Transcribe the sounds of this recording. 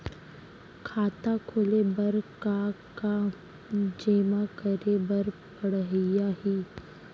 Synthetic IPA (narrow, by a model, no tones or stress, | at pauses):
kʰaːt̪akʰoːlebɐɾkaːka | d͡ʒeːmakəɾebəɾpəɽɦjaɦiː